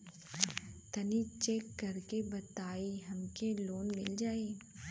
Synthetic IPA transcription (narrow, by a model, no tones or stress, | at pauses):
t̪ɐnit͡ʃeːkːɐɾkebɐt̪aːiɦɐmkeloːnmɪld͡ʒaːeː